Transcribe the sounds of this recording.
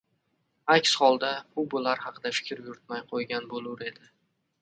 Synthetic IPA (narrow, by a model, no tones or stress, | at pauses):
akʲshɒlˠd̪abʊbʊlaɾhɑqʰɨd̪afɪ̥kʲʰɾjʊɾɪt̪majqʰojɡʲanbolˠʊɾe̞d̪ɪ